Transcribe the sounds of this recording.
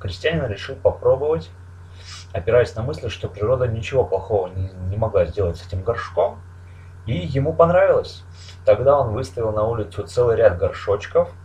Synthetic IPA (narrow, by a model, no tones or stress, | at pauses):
xɾʲɪsʲtʲɪjænʲɪnɾʲɪʂɨlˠpɐpɾo̞bəvətʲ | ɐpʲɪɾajɪsʲnɐmɨsʲlʲɪʂt̪o̞pɾʲɪɾo̞d̪ənʲɪt͡ɕɪvo̞plˠɐxo̞vənʲɪnʲɪmɐɡlˠazʲdʲe̞lˠətʲsɛtʲɪmɡɐrʂko̞m | ijɪmupɐnɾavʲɪlˠəsʲ | t̪ɐɡd̪ao̞nvɨst̪ɐvʲɪlˠnɐulʲɪt̪sʊt̪sɛlˠɨjɾʲad̪̚ɡɐrʂo̞t͡ɕkəf